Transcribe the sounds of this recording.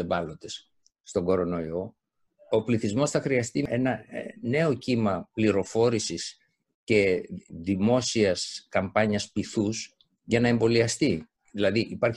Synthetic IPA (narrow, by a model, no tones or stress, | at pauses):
evɐlo̞t̪e̞sː | t̪o̞ŋɡo̞ɾo̞no̞io̞ | o̞pliθizmo̞sθɐxɾiɐst̪ie̞nɐne̞o̞cimɐpliɾo̞fo̞ɾisis | ce̞ðimo̞siɐskɐmpɐɲɐspiθus | ʝɐnɐe̞mbo̞liɐst̪i | ðilɐðiʔipɐɾç